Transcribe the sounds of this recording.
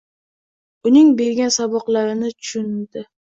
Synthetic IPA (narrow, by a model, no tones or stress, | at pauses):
ʊnɪŋbe̞ɾɡʲansabɒqlˠaɾɪnɪt̪ʰʊ̥ʃʊnd̪ɪ